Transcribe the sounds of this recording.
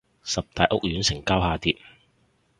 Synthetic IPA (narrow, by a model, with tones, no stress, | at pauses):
sɐ˨p̚t̪aː˨jʔʊ̰˥k̚jyː˨˧˥nsɪ˨˩ŋkaː˥whaː˨˧t̪iː˨˧t̚